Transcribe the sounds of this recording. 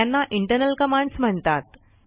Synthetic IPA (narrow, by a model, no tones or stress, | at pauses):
anːaʔiɳʈəɾnəlkəmaɳɖsm̤əɳt̪at̪